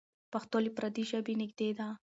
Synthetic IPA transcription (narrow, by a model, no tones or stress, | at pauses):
paxt̪olipɾad̪iʒəbinɪɡd̪ed̪a